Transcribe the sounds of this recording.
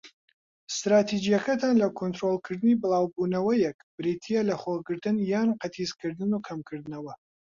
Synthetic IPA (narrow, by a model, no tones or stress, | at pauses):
st̪ɾaːt̪ʰid͡ʒijɛkʰɐt̪ʰanlɐkʰont̪ɾolˠkʰɨɾd̪ɨnibɨlˠɑːwbuːnɐwɐjɛkb̥ɾit̪ʰijɛlɐχoɡɨɾt̪ɨnjaːnqɐt̪ʰiːzkʰɨɾd̪ɨnukʰɐmkʰɨɾd̪ɨnɐwɐ